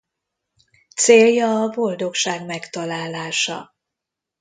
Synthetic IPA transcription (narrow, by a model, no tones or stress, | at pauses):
t̪seːljɒːbo̞ld̪o̞kʃaːɡmɛkt̪ɒlaːlaːʃɒ̰